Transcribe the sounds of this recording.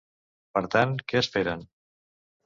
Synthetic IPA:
pəɾt̪ankɛəsfeɾən

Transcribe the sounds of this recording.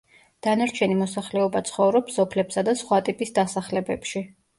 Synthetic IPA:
d̪̥anaɾt͡ʃʰɛnimɔsaχlɛɔbat̪sʰχɔvɾɔpsɔpʰlɛpsad̪asχwat̪ʼipʼisd̪asaχlɛbɛpʃi

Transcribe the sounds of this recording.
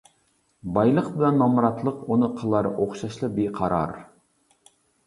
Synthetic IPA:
bɑjlˠəqbɪlɛnːɑmɾɑt̪lˠəqunɨqʰəlˠɑɾ̰ʔoχʃɑʃlˠɨbeqʰɑɾɑ̰ɾ

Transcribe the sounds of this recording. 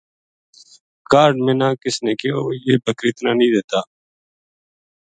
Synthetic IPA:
kaːɾɖmẽːnãːkɪsneːkeːojeːbəkɾiːt̪naːnəĩːd̪eːt̪aː

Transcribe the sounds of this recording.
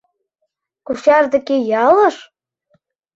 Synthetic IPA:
kuʃɑrd̪ɘ̆kejɑlɤ̆ʃ

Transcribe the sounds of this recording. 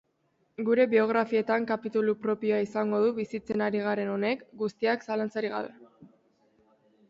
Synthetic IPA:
ɡuɾe̞βio̞ɣɾafie̞t̪aŋkapit̪ulupɾo̞pio̞aisaŋɡo̞ðuβisit͡se̞naɾiɣ̞aɾe̞no̞ne̞kɡust̪iaksalant͡saɾiɣa̰βe̞

